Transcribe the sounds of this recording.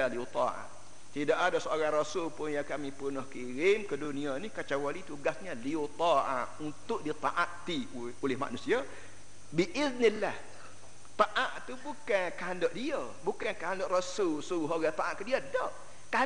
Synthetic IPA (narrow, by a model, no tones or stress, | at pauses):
aliot̪ɔʔa̰ʔ | t̪idaʔadasooɾaŋrasʊlpʊnjaŋkamĩpənɔhkiɾɪmkədunĩanikat͡ʃawalit̪uɡasɲaliot̪ɔʔa̰ʔunt̪ʊʔdit̪aʔaʔt̪i | olɪhma̰ʔnusia | biʔɪðnilːah | t̪aʔaʔt̪ubukankəɦandɔʔdiə | bukankəɦandɔʔrasʊlsulɦɔɡat̪aʔa̰ʔkədiədɔʔ | ka